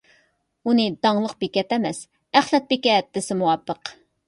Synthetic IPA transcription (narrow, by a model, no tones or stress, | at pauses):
unɨd̪ɑŋlˠəq̚bekʲɛt̪ɛmɛs | æχlɛt̪̚bekʲɛt̪ːɪsɪmuwɑpːəq